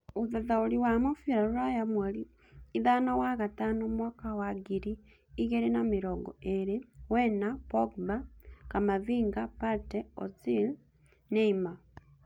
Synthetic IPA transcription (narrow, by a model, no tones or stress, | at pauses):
uðaðauliwamofiɾaɾuɾajamwaliː | ðanawaɣataːnomwaːkawaɡiɾiː | ɣeɾinamiɾoɡɔ̰eɾewenapoɡbakamaviːŋɡapaɾteo̰t͡sil | neima